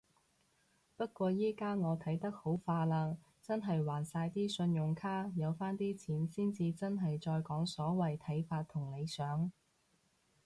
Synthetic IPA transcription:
pɐ˥t̚kʷɔː˧jiː˥kaː˥ŋɔː˨˧t̪ʰɐ˨˥jt̪ɐ˥k̚ho˨˥wfaː˧laː˧ | t͡sɐ˥nɦɐ˨jwaː˨˩nsaː˧jt̪iː˥sɵ˧njʊ˨˩ŋkʰaː˥jɐ˨˧wfaː˥nt̪iː˥t͡sʰiː˨˥nsiː˥nt͡siː˧t͡sɐ˥nɦɐ˨jt͡ʃɔː˧jkɔː˨˥ŋsɔː˨˥wɐ˨jt̪ʰɐ˨˥jfaː˧t̪̚ʰːʊ˨˩ŋle˨˧jsœː˨˥ŋ

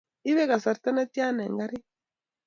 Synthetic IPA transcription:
i˦βe˦ka˨sa˨ɾta˦na˦tja˦nḛ˨ŋɡa˦ɾi˦

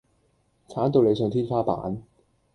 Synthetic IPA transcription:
t͡sʰaː˨˥nt̪o˧wle˨˧jsœː˧ŋt̪ʰiː˥nfaː˥pa̰ː˨˥n

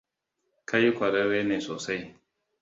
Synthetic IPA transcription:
ka˦ji˦kʷa˨ɾe˦weː˦neː˨soː˨sa˦j

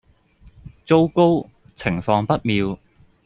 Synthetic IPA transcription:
t͡so˥wko˥w | t͡sʰɪ˨˩ŋfɔː˧ŋpɐ˥t̚miː˨˧w

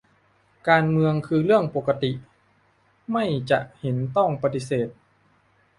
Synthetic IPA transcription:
kaː˧nmɯ˧əŋkʰɯː˧lɯ˥˩əŋpo˨˩kːa˧t̪i˨˩ | ma˥˩jt͡ɕa˨˩ʔhe˩˦nt̪ɔ˥˩ŋpa˧t̪i˧seː˨˩t̪̚

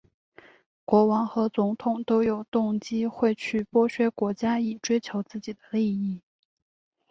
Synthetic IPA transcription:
kwɔ˧˥wɑ˧˥ŋxɤ˧˥t͡sʊ˧˥ŋt̪ʰʊ˨˩ŋt̪o˥ʊjo˨˩ʊt̪ʊ˥˩ŋt͡ɕi˥xwe˥˧ɪt͡ɕʰy˥˩pwɔ˥ɕɥɛ˧˥kwɔ˧˥t͡ɕja˥i˨˩ʈ͡ʂwe˥ɪt͡ɕʰjo˧˥ʊt͡sɹ̩˥˩t͡ɕi˨˩d̪ə˦li˥˧i˥˩

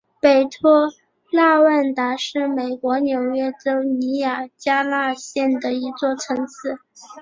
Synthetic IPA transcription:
pe˨˩ɪt̪ʰwɔ˥ | la˥˧wə˥˩nt̪a˧˥ʂɻ̩˥˩me˨˩ɪkwɔ˧˥njo˨˩ʊɥɛ˥ʈ͡ʂo˥ʊni˧˥ja˨˩t͡ɕja˥la˥˧ɕjɛ˥˩nd̪ə˩i˧˥t͡swɔ˥˩ʈ͡ʂʰɤ˧˥ŋt͡sʰɹ̩˧˩˦

